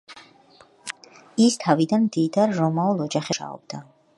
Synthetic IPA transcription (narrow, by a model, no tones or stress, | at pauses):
ist̪ʰavid̪anmd̪id̪aɾɾɔmaulˠɔd͡ʒaχɛʃa̰ɔ̰b̥̚d̪̥a